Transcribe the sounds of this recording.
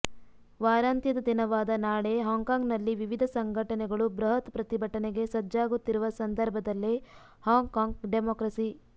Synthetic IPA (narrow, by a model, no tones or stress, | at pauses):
ʋaːɾaːnt̪jɐd̪ɐd̪inɐʋaːd̪ɐnaːɭeɦaːŋɡkaːŋɡnɐlːiʋiʋid̪ʱɐsɐŋɡʱɐʈɐnɛɡɐɭubɾɐɦɐt̪pɾɐt̪ibʱɐʈɐneɡe̞sɐd͡ʒːaːɡut̪ːiɾuʋɐsɐnd̪ʱɐɾbʱɐd̪ɐlːe | haːŋɡkaːŋɡɖemoːkɾɐsi